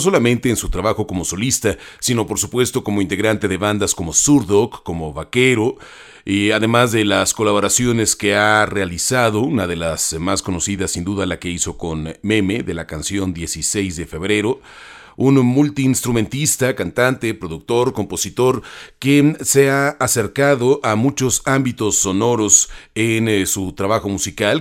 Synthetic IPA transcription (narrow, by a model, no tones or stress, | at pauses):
s̬o̞lamẽ̞nt̪e̞ːnsut̪ɾaβaxo̞ko̞mo̞so̞list̪asino̞po̞ɾsupwe̞st̪o̞ko̞mo̞int̪e̞ɣɾant̪e̞ðe̞βand̪asko̞mo̞suɾðokːo̞mo̞βake̞ɾo̞ | aðe̞mazðe̞lasko̞laβoɾasjo̞ne̞ske̞arealisaðo̞unaðe̞lasmasko̞no̞siðasind̪uðalake̞iso̞ko̞nme̞me̞ðe̞lakansjo̞nd̪je̞sise̞jzðe̞fe̞βɾe̞ɾo̞ | unmult̪iːnst̪ɾumẽ̞nt̪ist̪akant̪ant̪epɾo̞ðuk̚t̪o̞ɾko̞mpo̞sit̪o̞ɾke̞seaːse̞ɾkaðo̞ʔamut͡ʃo̞sambit̪o̞sːo̞no̞ɾo̞sensut̪ɾaβaxo̞musikal